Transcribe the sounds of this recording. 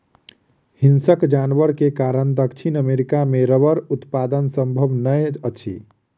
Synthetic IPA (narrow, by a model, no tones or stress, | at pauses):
hinsəkd͡ʒanbəɾkekaɾənd̪əkt͡ʃʰinəmeɾikameɾəβəɾut̪pad̪ənsəmbʱəbnəjət͡ʃʰḭ